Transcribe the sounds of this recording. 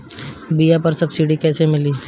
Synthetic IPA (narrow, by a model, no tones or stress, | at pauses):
bijapɐɾsɐbsiɖikɛːsemɪliː